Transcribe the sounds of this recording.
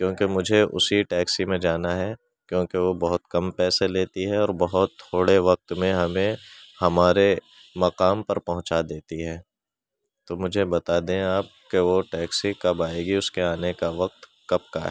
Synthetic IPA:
kjõːkemʊd͡ʒʱeʔʊ̰siʈɛːksimẽd͡ʒaːnaɦɛ | kjõːkeʋobɐɦʊt̪kɐmpɛːseleːt̪iɦɛɔːɾbɐɦʊt̪ʰːoːɽeʋɐq̚t̪mẽɦɐmẽhɐmaːɾe | mɐqaːmpɐɾpɐɦʊ̃t͡ʃad̪eːt̪iɦɛː | t̪oːmʊd͡ʒʱebɐt̪aːd̪ẽaːp̚keʋoʈɛːksikɐbaːeːɡiʊskeaːnekaʋɐq̚t̪ | kɐp̚ka̰ɦɛ

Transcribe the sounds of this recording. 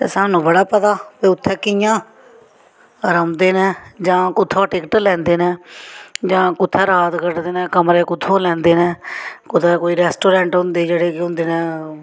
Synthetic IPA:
t̪ḛːsaːnũːbəɽaːpət̪aːpeːʊt̪ʰːɛːkɪjãː | ɾəmd̪eːnɛ̃ːd͡ʒãːkʊt̪ʰːoːʈɪkʈəlɛ̃ːnd̪eːnɛ̃ːd͡ʒãːkʊt̪ʰːɛːɾaːt̪kəʈd̪eːnɛːkəmɾeːkʊt̪ʰːõːlɛ̃ːnd̪eːnɛ̃ːkʊt̪ʰɛːkoːiːɾɛːsʈoːɾẽːɳʈɦʊ̃nd̪eːd͡ʒeːɽeːkɪɦʊ̃nd̪eːnɛ̃ː

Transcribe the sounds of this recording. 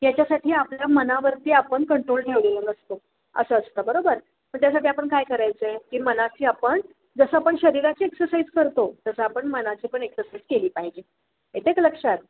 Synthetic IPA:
jat͡ɕasaʈʰiːapljamənaʋəɾt̪iːapəɳkəɳʈɾolʈʰeʋlelənəst̪o | ə̰səːst̪əbəɾobəɾ | məɳt̪jasaʈiːapəɳkajkəɾajt͡səekiːmənat͡ɕiːapəɳ | d͡zəsəapəɳɕəɾiɾat͡ɕiːeksəɾsajd͡zkəɾt̪ot̪əsəapəɳmənat͡ɕiːpəɳeksəɾsaid͡zkeliːpaɦid͡ʑiː | et̪ekləkʂat̪

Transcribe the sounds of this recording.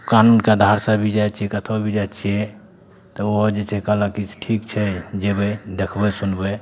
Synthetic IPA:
kanunkeəd̪ʱaɾsəbʱid͡ʒat͡ʃʰiekət̪ʰobʱid͡ʒat͡ʃʰiɛ | t̪ɔoɦd͡ʒet͡ʃʰɛkələkiʈʰikt͡ʃʰɛd͡ʒebɛd̪ekʰbɛsunbɛ

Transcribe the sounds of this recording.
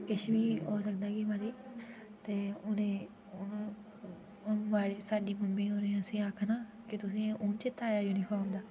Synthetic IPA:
kɪʃʋiːɦoːsəkd̪aːkɪʋaːɾiː | t̪eːʊnẽː | ʋaːɽeːsaːɖiːməmbẽːʊnẽːəsĩːakʰnaːkɪt̪ʊs̬ĩːʊːnt͡ʃɪt̪ʰːaːjaːjuːnipʰoːmd̪aː

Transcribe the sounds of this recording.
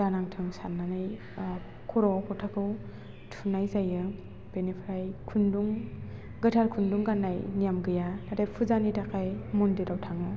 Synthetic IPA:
danaŋtʰɯŋsannːanaj | kʰɔɾɔkʰɔtʰakʰɯw | tʰunajzajɯ | b̥enepʰɾajkʰunduŋ | ɡɯtʰaɾkʰunduŋɡanːajnijamɡɯjanatajpʰuzanitakʰajmundiɾawtʰaŋɯ

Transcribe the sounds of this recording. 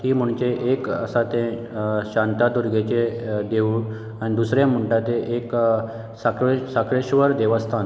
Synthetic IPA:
hiːm̤uɳt͡ɕeʔekə̰sat̪ẽ | ɕãnt̪ad̪uɾɡʱet͡ɕed̪eʋu | añid̪usɾjam̤uɳʈat̪eʔek | sakesakɾeɕʋəɾd̪eʋəst̪ʰan

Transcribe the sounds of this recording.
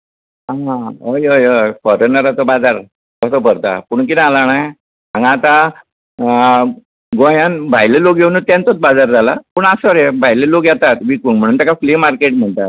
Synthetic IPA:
aɦãɦojojojfɔɾonəɾat͡sɔbad͡zaɾ | kəsəpəɾt̪a̰puɳkid̪ãalanaj | ãŋɡat̪a | ɡõjanbʱajlelokeʋnut̪jant͡sot͡sbad͡zaɾd͡zʱalapuɳasɔɾebʱajlelokjat̪at̪ʋikuŋɡm̤əɽ̃unt̪jakaflimaɾkeʈm̤əɳt̪a

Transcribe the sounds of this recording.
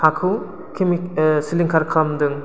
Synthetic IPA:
hakʰɯw | kʰimisiliŋkʰaɾkʰlamd̪ɯŋ

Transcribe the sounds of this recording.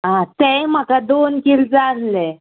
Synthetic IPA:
ɦãt̪ɛ̃jm̤əkad̪onkild͡zanlɛ

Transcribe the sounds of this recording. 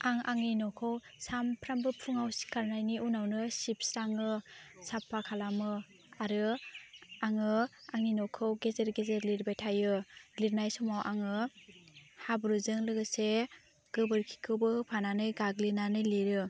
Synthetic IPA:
aŋʔaŋinɔkʰɯwsampʰɾambɯpʰuŋawsi̥kaɾnajniʔunawnɯsip̚sɾaŋɯsapʰːakʰalamɯ | aɾɯ | aŋɯaŋinɔkʰɯwɡezeɾɡezeɾliɾbajtʰajɯliɾnajsɔmawʔa̰ŋɯ | habɾuzɯŋlɯɡɯse | ɡ̥ɯbɯɾkʰi̥kʰɯwbɯpʰananɯjɡaɡlinanɯjliɾɯ

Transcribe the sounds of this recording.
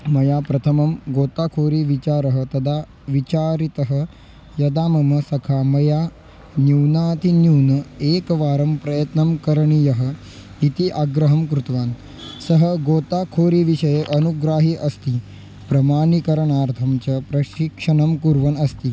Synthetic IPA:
mɐjaːpɾɐt̪ʰɐmɐmɡoːt̪aːkʰoːɾiʋit͡ʃaːɾɐɦɐt̪ɐd̪ʱa | ʋit͡ʃaːɾit̪ɐɦə | jɐd̪aːmɐmɐsɐkʰamɐja | njuwnaːt̪injuːnɐeːkʋaːɾɐmpɾɐjɐt̪nɐmkɐɾɐɳijɐɦɐ̆ | it̪iʔaɡɾɐɦɐmkɾut̪ʋaːn | sɐɦɐɡoːt̪aːkʰoːɾiʋiʃɐjeʔɐnuɡɾaːɦiʔɐst̪i | pɾɐmaːɳikɐɾɐɳaːɾt̪ʰɐmt͡ʃɐpɾɐʃikʂɐɳɐmkuɾʋɐnɐst̪i

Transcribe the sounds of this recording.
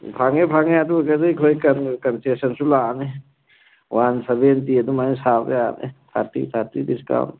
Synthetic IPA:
pʰaŋepʰaŋead̪ukadejkʰojkankansesɐnsulane | wansebent̪iad̪umanesabeanḛt̪ʰa̰ɾt̪ḭt̪ʰaɾt̪id̪iska̰n

